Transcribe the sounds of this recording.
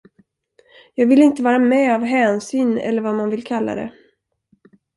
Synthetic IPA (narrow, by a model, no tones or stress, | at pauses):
jɑːɡvɪlɪnt̪əvɑːɾamɛavɦɛːnsyːnɛ̰lːəɾvamanvɪlkʰalːa̰d̪ɛ̰